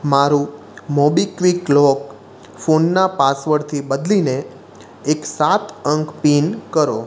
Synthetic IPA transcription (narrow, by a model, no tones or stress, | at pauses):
maɾũ | mɔbikʋiklɔk | fonːapasʋəɾt̪ʰibəd̪lineː | ksat̪əŋkpinkəɾo